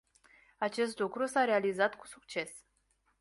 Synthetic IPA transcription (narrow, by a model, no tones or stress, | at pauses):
at͡ʃe̞st̪lukɾusaɾealizat̪ku̥sukt͡ʃe̞s